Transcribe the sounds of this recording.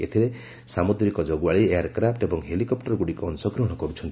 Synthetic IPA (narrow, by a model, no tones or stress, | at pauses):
ḛt̪ʰiɾe | samud̪ɾikɔd͡ʒɔɡuaɭiejaɾkɾapʰʈebɔŋɦelikɔpʈɔɾɡuɽikɔnsɔɡɾɔɦɔɽ̃ɔkɔɾut͡ʃʰɔnt̪i